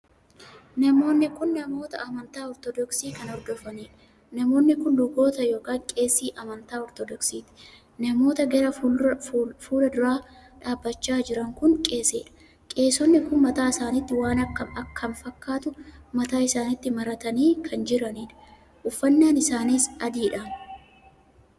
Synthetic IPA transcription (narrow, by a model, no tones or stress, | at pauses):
nɐmo̞ːnːɪkʊnːɐmo̞ːt̪ɐ̰ʔɐmɐnt̪aːɔɾt̪ɔd̪ɔksiːkɐnɔɾd̪ɔfɐniːᶑɐ | nɐmo̞ːnːɪkʊnlʊɡo̞ːt̪ɐjo̞ːkaːŋkʼe̞ːsːiːʔɐmɐnt̪aːɔɾt̪ɔd̪ɔksiːt̪ɪ̥ | nɐmo̞ːt̪ɐɡɐɾɐ | fuːlɐd̪ʊɾaː | ᶑaːbːɐt͡ʃːaːd͡ʒɪɾɐŋkʊnkʼe̞ːsḛːᶑɐ̥ | kʼe̞ːsɔnːɪkʊnmɐt̪aːɪsaːnɪt̪ːɪwaːnɐkːɐmɐkːɐnfɐkːaːt̪ʊmɐt̪aːɪsaːnɪt̪ːɪmɐɾɐt̪ɐniːkʰɐnd͡ʒɪɾɐniːᶑɐ̥ | ʔʊfːɐnːaːnɪsaːniːsʔɐd̪iːᶑa